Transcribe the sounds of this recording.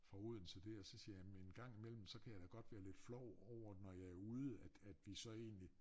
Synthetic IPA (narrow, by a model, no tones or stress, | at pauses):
fʁɑ̈uð̞̰ˠn̩sɒd̥e̝ɒsɒ̽siːɐjæmenɡ̥ɑ̈ŋ̰imel̰m̩sɒ̽kʰæjɑ̈ɪd̥æɡ̥ɒ̽d̥ʋæːɐle̝d̥flɒʊɒʊ̰ɐnɒjɑ̈ɪæɐuːð̞ˠəæd̥æd̥ʋisɒ̽e̝̰ːnli